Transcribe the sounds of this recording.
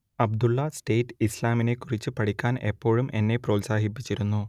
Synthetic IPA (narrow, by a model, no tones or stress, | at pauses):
ɐb̚d̪ulːɐsʈeːʈːɨislaːmine̞kːurit͡ɕːɨpɐɽikʲːaːne̞pːo̞ːɻumʔe̞̰nːe̞pro̞ːlsaːɦipːit͡ɕːiɾunːu